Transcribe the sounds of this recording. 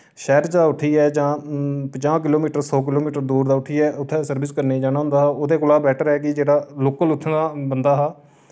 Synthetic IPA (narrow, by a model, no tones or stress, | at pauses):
ʃɛːɾt͡ʃd̪aːʊʈʰiːɛːd͡ʒãːpət͡ʃãːk̬ɪloːmiːʈəɾsɔːk̬ɪloːmiːʈəɾd̪uːɾd̪aːʊʈʰiːɛːʊt̪ʰːɛ̃ːsəɾbɪskəɾneːd͡ʒaːɽ̃aːɦʊ̃nd̪aːɦːoːd̪eːkʊlaːbɛːʈʰəɾɛːkid͡ʒeːɽaːloːkəlʊt̪ʰːd̪aːbənd̪aːɦaː